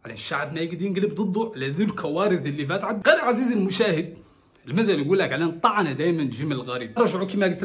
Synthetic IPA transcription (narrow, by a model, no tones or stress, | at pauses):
ʕalæʃːaʕbmæjɪɡd̪jɪnɡləbd̪ˤɨd̪ˤːʊʕlæðulkʰæwæɾɨðɪlːifæt̪ʕad̪ɣeɾʕazizəlmʊʃæːhɪd̪̚ | lmæθæljɡulːækʕlænt̪ˤːɑʕnad̪æjmænt̪ʒɪmːəllɣæɾiːb̚ɾˤɑʒʕukimæɡət̪